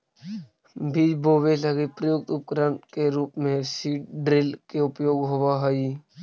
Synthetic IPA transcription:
bʱid͡ʒboːʋeləɡipɾəjoːɡ̚t̪ʊp̚kɾənkeɾuːpmẽsiːʈɖɾɪlkeʊpjoːɡɦoʋaɦəi

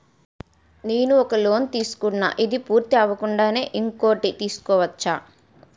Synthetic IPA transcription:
neːnuɔkɐlo̞ːnt̪iːsu̥kunːa̰ːʔid̪ipuːɾt̪iɐʋɐkuɳɖaːne̞ːʔiŋko̞ːʈit̪iːsu̥kɔːʋɐt͡ʃːaː

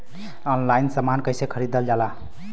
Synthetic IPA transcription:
ɔnlainsəmankəjsekʰəɾid̪əld͡ʒala

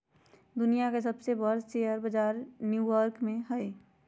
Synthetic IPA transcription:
d̪ʊnijakes̬əbsebəɾt͡ʃejəɾbəd͡ʒaːɾnjuːjəɾkmẽɦɛe

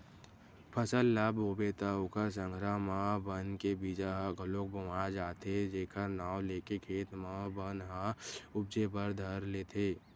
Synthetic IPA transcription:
pʰəsəlːabɦoːbet̪aʊkəɾs̬ə̃ŋɡʱɾamãbənkebiːd͡ʒaɦɡʱəlok̚bəmad͡ʒaːt̪ʰed͡ʒeːkʰəɾnaːwleːkekʰeːt̪mãbənɦaʊb̚d͡ʒepəɾd̪ʱəɾleːt̪ʰeː

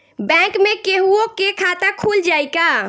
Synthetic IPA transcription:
bɛ̃kmekeɦuokekʰat̪akʰuld͡ʒajka

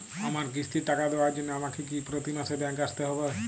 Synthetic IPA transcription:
amaɾkist̪iʈakad̪ewaɾd͡ʑonːeamakek̬ipɾot̪imasebɛ̃ŋkaʃt̪eɦɔbe

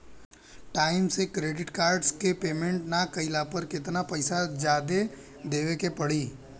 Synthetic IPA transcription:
ʈaːɪmsekɾeːɖɪʈkaːɾɖskepeːmẽɳʈnakɐɪlapəɾkɪt̪napɐɪsad͡ʒjaːd̪e | d̪eːʋekepɐɽ̤iː

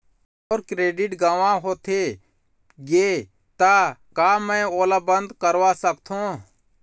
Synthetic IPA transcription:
oːɾkɾeːɖɪʈɡaːʋãɦoːt̪ʰeː | ɡeː | t̪aːkaːmɛ̃ːoːlabə̃nd̪kəɾʋasəkt̪ʰõː

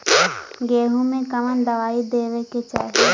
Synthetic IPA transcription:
ɡeːɦũmẽkəmənd̪əʋaːid̪eːʋeket͡ʃa̰ːɦe

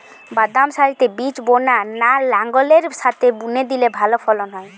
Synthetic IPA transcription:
bad̪amʃaɭit̪ebit͡ɕbonanalaŋɡoleɾʃat̪ʰebuned̪ilebʱalopʰɔlonɔe

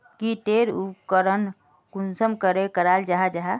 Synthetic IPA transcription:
kiʈeɾukəɾən | kunsəmkəɾekəɾald͡ʒaɦad͡ʒaɦa

